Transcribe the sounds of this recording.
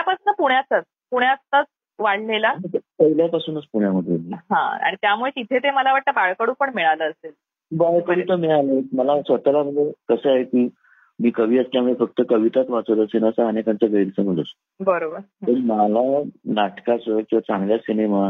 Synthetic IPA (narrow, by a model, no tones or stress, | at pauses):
japasuːnəpuɳjat͡sat͡s | puɽ̃jat͡st̪at͡s | ʋaɽlelanikəɦiljapasuːnət͡spuɽjaməd̪ʱjemiɦã̰a̰ɽ̃it̪jamuɭeit̪ʰet̪eməlaʋaʈ̚t̪əbaɭkəɽuːpəɳmiɭaləːsel | bəjkəʋit̪əmiɭaleməlasʋət̪alaməek̪əsəaɦekiː | miːkəʋ̤iːəst̪jamuɭefək̚t̪əkəʋit̪at̪ʋat͡sət̪əsenasəːnekant͡səɡəiɾsəm̤əlost̪obəɾobəɾt̪əɾmalanaʈkat͡səkĩw̃ʋat͡sãŋɡljasinema